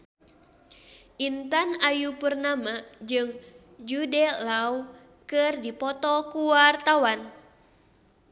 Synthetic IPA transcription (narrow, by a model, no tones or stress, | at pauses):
ʔint̪anajupərnamad͡ʒɨŋ | d͡ʒudɛlau | kɨrdipɔt̪ɔkuwart̪awan